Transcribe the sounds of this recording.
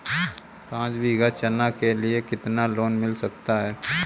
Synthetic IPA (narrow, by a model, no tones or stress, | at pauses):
pãːt͡ʃbiːɡat͡ʃənakeliekɪt̪naloːnmɪlsɐk̚t̪aɦɛː